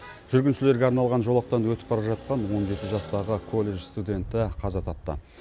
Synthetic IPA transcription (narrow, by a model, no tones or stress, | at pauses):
ʒ̥ʏɾɡʲɪnʃɪle̞ɾɡʲeɑɾnɑlˠʁɑnʒo̞lˠɑq̚t̪ɑnwɵt̪ɪpbɑɾɑʒɑt̪̚qɑnwo̞nʒe̞t̪ɪʒɑst̪ɑʁəkʰo̞lʲˠːe̞ʒst̪ud̪ʲe̞nt̪ɪqʰɑzɑt̪ʰɑp̚t̪ə̰